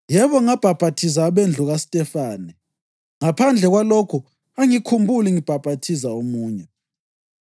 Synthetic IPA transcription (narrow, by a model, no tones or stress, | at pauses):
jɛβɔŋab̥ʱab̥ʱatʰis̬aːβend͡ɮʱuɣasi̥tʼɛfaːnɛ | ŋapʰand͡ɮʱɛɣwalokʰu | aŋikʰumbʱuliŋib̥ʱab̥ʱatʰizaomuːɲɛ